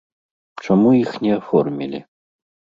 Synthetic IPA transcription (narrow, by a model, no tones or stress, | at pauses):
t͡ʂɔmuixnʲɛɐfɔrmʲilʲɪ̰